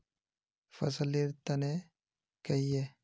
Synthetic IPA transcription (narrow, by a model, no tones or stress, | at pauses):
fɐs̬ɐliɾt̪ːɐne | kɐje